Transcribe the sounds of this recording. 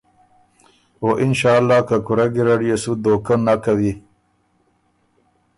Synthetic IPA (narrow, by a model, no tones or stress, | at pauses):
oːʔɪnʃaːlːaːkakuɾaɡiɾaɖijesud̪oːkanːakawi